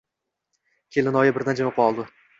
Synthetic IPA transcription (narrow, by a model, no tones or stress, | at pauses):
kʲʰelɪnɒjabɪɾd̪and͡ʒamoqɒlˠd̪ɪ